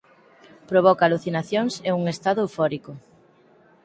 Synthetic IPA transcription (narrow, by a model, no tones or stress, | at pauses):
pɾoβ̞ɔkaluθinaθjoŋseuŋest̪aðuufɔɾikʊ